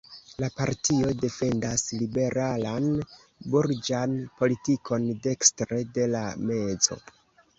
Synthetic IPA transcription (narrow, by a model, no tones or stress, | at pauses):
lapaɾtio̞de̞fe̞ndaslibe̞ɾʔalan | buɾd͡ʒanpo̞litikʰo̞nde̞kstɾe̞de̞lame̞d͡zo̞̰